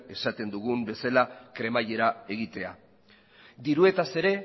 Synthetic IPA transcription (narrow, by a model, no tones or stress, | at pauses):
e̞sat̪e̞nd̪uɣ̞umbe̞salakɾe̞maʎe̞ɾae̞ɣit̪e̞a̰ | d̪iɾue̞t̪ase̞ɾe̞